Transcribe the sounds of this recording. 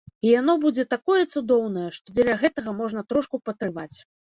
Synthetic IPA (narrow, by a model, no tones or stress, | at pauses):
ijan̪ɔbud͡zʲɛt̪akɔjɛt̪sud̪ɔwn̪ɐjɛʂt̪ɔd͡zʲɛlʲɐɣɛt̪ɐɣɐmɔʐnɐt̪ɾɔʂkupɐt̪ɾɨvat͡sʲ